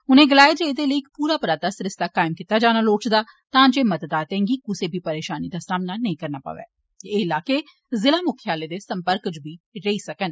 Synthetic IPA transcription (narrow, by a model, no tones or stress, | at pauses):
ʊnẽːɡəlaːeːd͡ʒeːd̪eːləiːkpuːɾaːpʊɾaːd̪aːsɾɪst̪aːkaːɪmkit̪ːaːd͡ʒaːnaːloːt͡ʃd̪aː | t̪ãːd͡ʒeːmət̪d̪aːt̪ɛ̃ːŋɡiːkʊseːbʱiːpəɾeːʃaːniːd̪aːsaːmnaːnəĩːkəɾnaːpə̰ʋɛ̰ː | eːɪlaːkeː | zɪlaːmʊkʰjaːleːd̪eːsəmpəɾkd͡ʒbʱiːɾəiːsəkən